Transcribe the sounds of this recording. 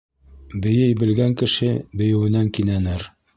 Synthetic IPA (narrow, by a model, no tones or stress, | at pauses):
bɘ̆jɘjbɘ̆lɡæŋkɘ̆ʃɘbɘ̆jɘ̆wɘ̆næŋkinænɘɾ